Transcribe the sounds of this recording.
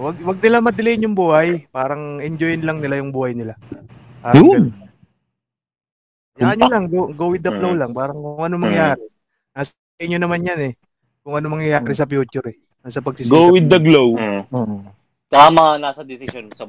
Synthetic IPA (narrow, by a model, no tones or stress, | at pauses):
wɐɡ̚wɐɡ̚nɪlamɐd̪ɪlejnjʊŋbuːhajpaːɾɐŋɛnd͡ʒojɪnlɐŋnɪlajʊŋbuːhɐjnɪlapaːɾjʊn | jaaɲolaŋɡoɡowɪd̪ɐplowlaŋpaːɾɐŋkʊŋʔɐnomɐŋjaːɾɛ | naːs | kɐjɲonɐmanjanɛ | kʊŋʔɐnomɐŋjɐjaːɾɛsɐpjuːt͡ʃʊɾɛ | nasɐpɐɡsɪsɡowɪd̪ːɐɡlow | t͡ʃɐamɐŋanaːsɐd̪ɪsɪsjonsɐ